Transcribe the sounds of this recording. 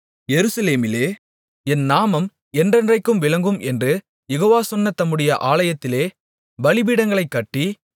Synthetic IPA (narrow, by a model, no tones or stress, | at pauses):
jɛɾɯsɐleːmɪleː | ɛnnaːmɐm | ɛndrɐndrɐɪkːɯmʋɪɭɐŋɡɯmɛndrɯ | jɛɣoːʋaːsɔnːɐt̪ːɐmːɯɽɐjɐʔaːlɐjɐt̪ːɪleː | bɐɭɪbiːɽɐŋɡɐɭɐɪkːɐʈːi